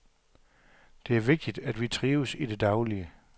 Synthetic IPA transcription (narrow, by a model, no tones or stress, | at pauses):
d̥e̝æɐʋe̝ɡ̥̚d̥id̥æd̥ʋit͡sʰʁiːʊsid̥e̝d̥ɑ̈ʊliə